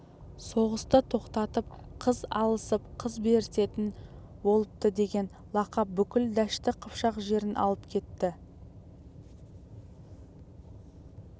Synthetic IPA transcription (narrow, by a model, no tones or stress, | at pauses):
so̞ʁəst̪ət̪ʰo̞qt̪ɑt̪əp̚qʰəzɑ̰lˠəsəp̚qʰəzbe̞ɾɪt̪e̞t̪ɪn | bo̞lˠəp̚t̪əd̪e̞ɡʲe̞n | lˠɑqɑp̚bʏkʲɪld̪æʃt̪ɪqʰəpʃɑqʒe̞ɾɪnʔɑ̰lˠəpkʲʰe̞t̪ːɪ